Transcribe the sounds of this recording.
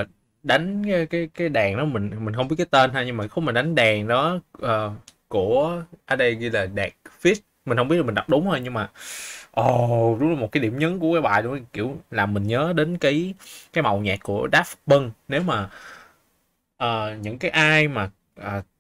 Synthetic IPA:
ɗa˨˦jŋ̟aː˨˦jkaː˨˦jkaː˨˦jɗɛː˨˩ŋɗɔ˨˦mï˨˩ŋ̟mï˨˩ŋ̟xə˧ŋ͡mɓi˦˥t̚k̬ːaː˨˦jt̪e˧nhaː˧jɲɨ˧ŋmaː˨˩xmaː˨˩ɗa˨˦ŋ̟ɗɛː˨˩ŋɗɔ˨˦ʔəː˨˩ku˧˩əʔa˧˩ɗə˧jɣi˧laː˨˩ɗɛ˨˩k̚fi˦˥t̚mï̟˩hə˧ŋ͡mi˦˥tla˨m̟˨˩ɗa˨˩k͡p̚ɗʊ˨˦ŋ͡mhəː˧jɲɨ˧ŋmaː˨˩ʔɔ˨˩ɗʊ˨˦ŋ͡mlaː˨˩o˨˩t̚kaː˨˦ɗi˧˩əmɲə˨˦nku˧˩əkaː˨˦jɓa̰ː˧˨jɗo˧˦˧kḭ˧˩əwlaː˨˩mï˨˩ŋ̟ɲəː˨˦ɗe˨˦nkaː˨˦jkaː˨˦jma˨˩wɲaː˨˩kkːu˧˩əɗaː˦˥fɓə˧ŋne˨˦wmaː˨˩ | ʔəː˨˩ɲɨ̰˧˥ŋkaː˨˦jʔaː˧jmaː˨˩ | ʔəː˨˩

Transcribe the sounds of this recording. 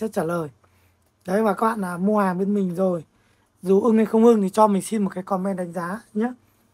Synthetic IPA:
ə˦˥t̚t͡ɕaː˧˩ləː˨˩j | ɗə˨˦jvaː˨˩kaː˦˥ɓa̰ː˧˨laː˨˩mu˧haː˨˩ŋɓe˨˦nmï˨˩ŋ̟zo˨˩j | zu˨˩ʔɨ˧ŋa˧˩xə˧wŋ͡mʔɨ˧ŋt̪ʰi˨˩t͡ɕɔ˧mï˨˩ŋ̟si˧nmo˨˩t̚kaː˨˦kɔ˨˧nmɛ˧nɗa˨˦ŋ̟zaː˨˦ɲa˨˦

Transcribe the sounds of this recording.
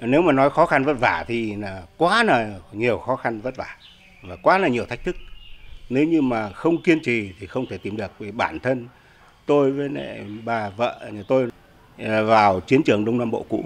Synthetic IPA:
ne˨˦wmaː˨˩nɔ˨˦jxɔ˨˦xa˧nvə˦˥t̚vaː˧˩t̪ʰi˨˩naː˨˩kwaː˨˦naː˨˩ɲi˨˩əwxɔ˨˦xa˧nvə˦˥t̚vaː˧˩ | vaː˨˩kwaː˨˦laː˨˩ɲi˨˩ət̪ʰa˦˥k̚t̪ʰɨ˦˥k̚ne˨˦wɲɨ˧maː˨˩xə˧wŋ͡mki˧ənt͡ɕi˨˩t̪ʰi˨˩xə˧wŋ͡mt̪ʰe˧˩t̪i˨˦˩mɗɨ˨˩ək̚ve˨˩ɓaː˧˩nt̪ʰə˧n | t̪o˧jvəː˨˦jnḛ˧˨ɓaː˨˩və̰ː˧˨˩t̪o˧j | vaː˨˩wt͡ɕi˨˦ənt͡ɕɨ˨˩əŋɗə˧wŋ͡mnaː˧mɓo̰˧˨kṵ˧˥

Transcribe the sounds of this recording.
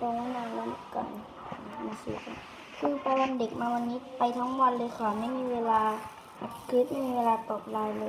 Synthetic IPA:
t̪ɔ˧˩ŋ˧naː˧˩la˧˦m˧˩ka̰˨˩nː˧˩ | ma˧˩sḭ˧˩ka˧˩ | kʰɯː˧˩pa˧wa˧nde˨˩k̚maː˧wa˧nːiː˦˥pa˨jt̪ʰɔː˧˥ŋwa˧˨nlɤː˧jkʰaː˨˩ma˥˩˨jmiː˧˥weː˧laː˧ | ʔa˧˩t̪̚kʰliː˦˥˩miː˧weː˧laː˧t̪ɔː˨˩p̚laː˧jlɤː˧

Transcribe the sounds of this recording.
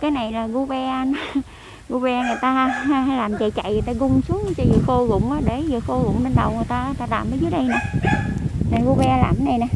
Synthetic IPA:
kaː˨˦jna˨˩jlaː˨˩ɣo˧ɓɛ˧n˨˦ | ɣo˧ɓɛ˧ŋɨ˨˩əjt̪aː˧a˧˦laː˨˩mt͡ɕa̰˧˨˩jt͡ɕa̰˧˨jŋɨ˨˩jt̪aː˧ɣʊ˧ŋ͡msu˨˦ŋ˨˧˦t͡ɕɔ˧zɨː˨˩xo˧lʊ̰˧˨ŋ͡mʔaː˨˦ɗe˧˩zəː˨˩xo˧lʊ̰˧˨ŋ͡mɓe˧nɗə˨˩wŋ˨˩əjt̪aː˧˨t̪aː˧ɗaː˨˩mɓəː˨˦jzɨ˨˦ɗə˧jna˨˩ | na˨˩ɣo˧ɓɛ˧laː˨˩ma˨˦na˨˩jna˨˩

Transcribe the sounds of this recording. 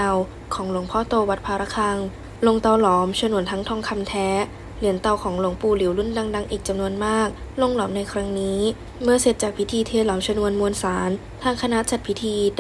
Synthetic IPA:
a˧˩w | kʰɔː˩˦ŋlu˩˦əŋpʰɔː˥˩t̪oː˧wa˨˧˩t̪̚pʰaː˧ɾa˦˧˥kʰaː˧ŋ | lo˧ŋt̪a˧˩wlɔː˩˦mt͡ɕʰa˧nu˧˩ənt̪ʰa˦˥ŋt̪ʰɔː˧ŋkʰa˧mt̪ʰɛː˦˥ | li˩˦ənt̪a˨˧˩wkʰɔː˩˦ŋlu˩əŋpuː˧˩li˨˩˦wlu˥˩nda˧ŋda˧ŋʔiː˨˩k̚t͡ɕa˨˧mnu˧ənmaː˥˩k̚lo˧ŋlɔː˩˦mna˧jkʰɾa˦˥ŋniː˦˥ | mɯ˥˩əse˨˩t̪̚t͡ɕaː˨˩k̚pʰi˦˥t̪ʰiː˧t̪ʰeː˧˩lɔː˩˦mt͡ɕʰa˧nu˧ənmu˧ənsaː˩˦n | t̪ʰaː˧˩ŋkʰa˧na˦˥ʔt͡ɕa˨t̪̚pʰi˦˥t̪ʰiː˧

